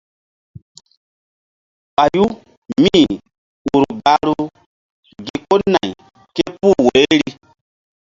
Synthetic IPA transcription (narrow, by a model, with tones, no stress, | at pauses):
ɓa˨ju˦ | mĩ˦˨ | wu˨ɾu˨ɡa˨˦ɾu˦ | ɡi˨ko˦nã˨i˨ | ke˦pu˦˨weː˨˦ɾi˦